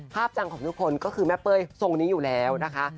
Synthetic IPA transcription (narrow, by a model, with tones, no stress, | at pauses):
pʰaː˥˩p̚t͡ɕa˧ŋkʰɔː˩˦ŋt̪u˦˥kʰo˧nkɔː˥˩kʰɯː˧mɛ˦˥pːɤː˧jso˧ŋniː˦˥juː˨˩lɛː˦˥wna˦˥kʰa˦˥ʔ